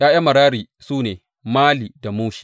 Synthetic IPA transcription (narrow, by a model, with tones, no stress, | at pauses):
jaː˦ja˦mɐ˨ɽaː˦ɾiː˨ | suː˦neː˨ | maː˦liː˨da˨muː˦ʃi̥˨